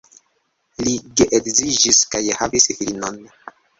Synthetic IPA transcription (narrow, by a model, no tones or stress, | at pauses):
liɡeʔekzid͡ʒiskajhavisfilnon